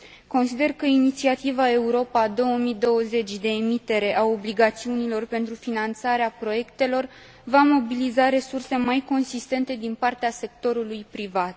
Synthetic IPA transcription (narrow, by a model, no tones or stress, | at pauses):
ko̞nsid̪e̞rkəinit̪siat̪ivae̞uɾo̞pad̪o̞wəmid̪o̞wəze̞t͡ʃʲd̪e̞ːmit̪e̞ɾe̞ʔao̞bliɡat̪siunilo̞rpe̞nt̪ɾufinant̪saɾeapɾo̞je̞kt̪e̞lo̞r | vamo̞bilizaɾe̞surse̞majko̞nsist̪e̞nt̪e̞d̪inpart̪ease̞k̚t̪o̞ɾulujpɾivat̪